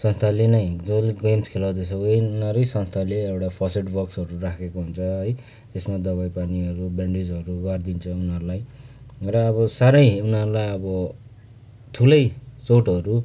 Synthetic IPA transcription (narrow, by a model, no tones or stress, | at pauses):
sʌnst̪ʰalenʌjd͡zʌlɡemskʰelad̪esʌɡʌjnʌɾʌjsʌnst̪ʰaleewʈapʰʌseʈbʌksʌɾurakʰekoɦunt͡sʰʌɦʌj | t̪esmad̪ʌβajpaniʌɾubeɳɖid͡zʌɾuɡʌrd̪int͡sʰʌunʌɾulaj | rʌːβʌsaɾʌjunɦʌɾulajʌbʌ | ʈ̪ʰulʌjt͡soʈʌɾu